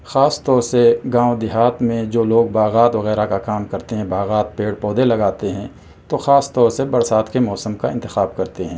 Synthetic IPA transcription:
xaːst̪ɔːɾseɡãːod̪ɪɦaːt̪mẽd͡ʒoːloːɡ̚baːɣaːt̪ʋɐɣɛːɾakakaːmkɐɾt̪eɦɛ̃baːɣaːt̪̚peːɽpɔːd̪elɐɡaːt̪eɦɛ̃ | t̪oxaːst̪ɔːɾsebɐɽsaːt̪kemɔːsəmkaɪ̃nt̪ɪxaːbkɐɾt̪eɦɛ̃ː

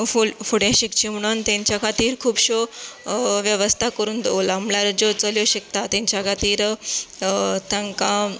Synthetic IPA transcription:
fufuɽjãɕikt͡ɕim̤əɽ̃uːnt̪ãɲt͡ɕjakʰat̪iːɾkʰuːbɕo | ʋjəʋəst̪ʰakəɾuːnd̪olamlaɾd͡ʑot͡səljoɕəkt̪at̪ãɲt͡ɕjakʰat̪iːɾ | t̪ʰãŋkã

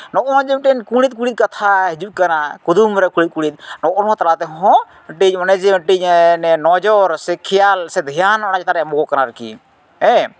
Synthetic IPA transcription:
nɔʔɔnɔ̃d͡ʒɛmʈɛnkuɽ̃it̪̚kuɽit̪̚kat̪ʰaɦid͡ʒukanakud̪umɾɛkuɽit̪̚kuɽ̃it̪̚nɔʔɔnɦɔ̃t̪aɾat̪ɛɦɔɦɔ̃ | ʈiɲɔnɛd͡ʒɛʈiɲnɛnɔd͡ʒɔɾsɛkʰijalsɛd̪ʱijanɔnad͡ʒɛt̪aɾɛmɔɡɔkanaɾkḭ | ɛ̃

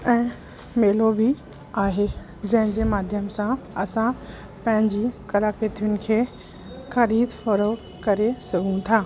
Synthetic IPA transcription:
ɛ̃ː | meːlobʱi | aːɦe | d͡ʑɐ̃ɦɪ̃d͡ʑemaːd̪ʱjəmsãɐsã | pɐ̃ɦɪ̃ɲd͡ʑikɐlaket̪ʰijʊnɪ̆kʰeː | xɐɾiːd̪fɐɾo | kɐɾesɐɡʱũt̪ʰaː

